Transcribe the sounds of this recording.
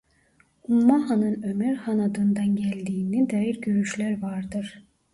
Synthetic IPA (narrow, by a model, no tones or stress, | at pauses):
umːɑɦɑnɯnømæɾhɑnɑd̪ɯnd̪ɑnɟælʲd̪iːnid̪æːjiɾɟøɾyʃlʲæɾvɑɾd̪ɯɾ̥